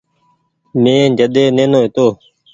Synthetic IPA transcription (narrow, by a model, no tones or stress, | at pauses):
mẽːd͡ʒəd̪eːnẽːnoːɦɪt̪oː